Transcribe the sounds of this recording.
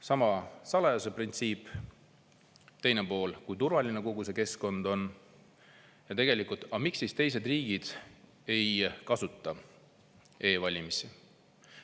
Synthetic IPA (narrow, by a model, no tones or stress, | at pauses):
sɑmɑsɑlɑjose̞print̪siːpː | t̪e̞jne̞po̞ːlkujt̪uɾvɑline̞ko̞ɡ̥us̬e̞ke̞sko̞nd̪̥o̞n | jɑt̪e̞ɡ̥e̞likˑult̪ˑɑmiksːist̪e̞js̬e̞d̪riːɡ̥id̪̥ | e̞jkɑsut̪ːˑɑ | e̞ːvɑlʲimisi